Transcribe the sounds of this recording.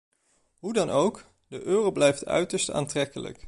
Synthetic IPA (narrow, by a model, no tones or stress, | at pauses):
ɦudɑnʔowk | dəʔøːrowblɛjftʰœ̰ɥtəɹsta̰ːntrɛkələ̰k